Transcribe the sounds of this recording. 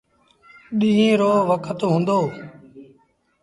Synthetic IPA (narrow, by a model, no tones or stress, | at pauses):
ɗiːĩːɾoːʋəkʰət̪ɦũːnd̪oː